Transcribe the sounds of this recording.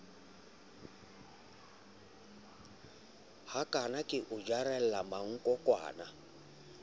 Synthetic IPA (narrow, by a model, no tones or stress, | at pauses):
hakʼanakʼɪʔʊd͡ʒaɾɛl̩lamaŋ̩kʼɔkʼwa̰ːna